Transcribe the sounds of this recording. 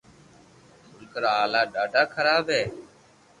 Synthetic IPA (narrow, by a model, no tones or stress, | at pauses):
mʊlkəɾaːaːlaːɖaːɖaːkʰəɾaːbɦeː